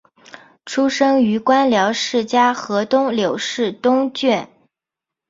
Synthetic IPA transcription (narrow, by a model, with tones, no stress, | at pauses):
ʈ͡ʂʰu˥ʂɤ˥ŋy˧˥kwa˥nljɑ˧˥ʊʂɻ̩˥˩t͡ɕja˥xɤ˧˥t̪ʊ˥ŋljo˨˩ʊʂɻ̩˥˩t̪ʊ˥ŋt͡ɕɥɛ˥˩n